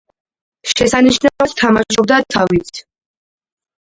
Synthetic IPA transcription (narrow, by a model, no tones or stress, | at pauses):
ʃɛsaniʃnaat̪t̪ʰamaʃɔb̚d̪at̪ʰavit̪ʰ